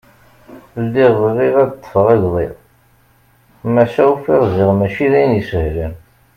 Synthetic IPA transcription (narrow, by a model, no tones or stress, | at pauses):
lːiʁðʁiʁædt̪ˤːə̥fəʁæʝðˤɪ̰ð | mæʃæufiʁziʁmæʃiðæjnjəsəhlən